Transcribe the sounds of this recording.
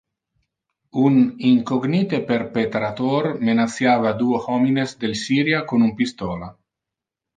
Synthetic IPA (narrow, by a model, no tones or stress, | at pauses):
uniŋkoɡnit̪eperpet̪ɾat̪ormenat̪sjaːvad̪uohɔminezd̪elsiːɾjakonumpist̪ɔːla